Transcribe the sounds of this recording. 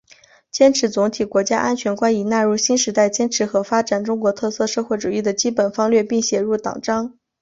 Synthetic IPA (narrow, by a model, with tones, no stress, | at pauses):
t͡ɕjɛ˥nʈ͡ʂʰɻ̩˧˥t͡sʊ˧˥ŋt̪ʰi˨˩kwɔ˧˥t͡ɕja˥ʔa˥nt͡ɕʰɥɛ˧˥nkwa˥ni˨˩na˥˧ɻu˥˩ɕi˥nʂɻ̩˧˥t̪a˥˩ɪt͡ɕjɛ˥nʈ͡ʂʰɻ̩˧˥xɤ˧˥fa˥ʈ͡ʂa˨˩nʈ͡ʂʊ˥ŋkwɔ˧˥t̪ʰɤ˥˧sɤ˥˧ʂɤ˥˧xwe˥˩ɪʈ͡ʂu˨˩i˥˩d̪ə˩t͡ɕi˥pə˨˩nfɑ˥ŋlɥɛ˥˧pi˥˩ŋɕjɛ˧˥ɻu˥˩t̪ɑ̰˨˩ŋʈ͡ʂɑ˥ŋ